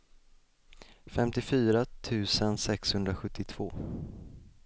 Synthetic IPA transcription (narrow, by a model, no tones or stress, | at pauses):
fɛmt̪ɪfyːɾat̪ʰʉ̟ːsənsɛkshɵnd̪ɾaɧɵt̪ːɪt̪ʰv̥oː